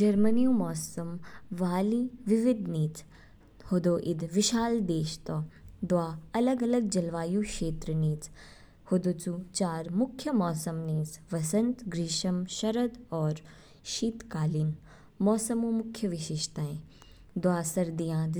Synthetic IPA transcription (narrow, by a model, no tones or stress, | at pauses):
d͡ʒɐɾmənijũːmɔːsɐmʋaːliːʋiʋɪd̪niːt͡s | hod̪oːʔɪd̪ʋɪʃaːld̪eːʃt̪ɔd̪waːɐlɐɡɐlɐɡ̚d͡ʒɐlʋaːjũːkʃeːt̪ɾəniːt͡s | hod̪oːt͡sut͡ʃaːɾmʊkʰjəmɔːsɐmniːt͡sʋɐsɐ̃nt̪ɡɾiːʃɐmʃɐɾɐd̪ɔːɾ | ʃiːt̪kaːliːn | mɔːsɐmõːmʊkʰjəʋɪʃɪʃt̪aːẽ | d̪waːsɐɾd̪ijãːd̪